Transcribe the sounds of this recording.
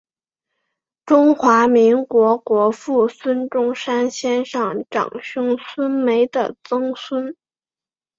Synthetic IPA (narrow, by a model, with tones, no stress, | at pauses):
ʈ͡ʂʊ˥ŋxwa˧˥mi˧˥ŋkwɔ˧˥kwɔ˧˥fu˥˩swə˥nʈ͡ʂʊ˥˩ŋʂa˥nɕjɛ˥nʂɑ˥˩ŋʈ͡ʂɑ̰˨˩ŋɕʊ˥ŋswə˥nme˧˥ɪd̪ə̰˨t͡sɤ˥ŋswə˥n